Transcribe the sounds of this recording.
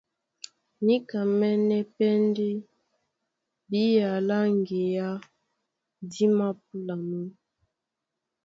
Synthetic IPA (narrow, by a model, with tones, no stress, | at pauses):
ni˦ka˨mɛ˦nɛ˦pɛ˦ndi˦ | bi˦ja˨la˦ŋɡe˨ja˦ | di˦ma˦p̚u˦la˨mi˦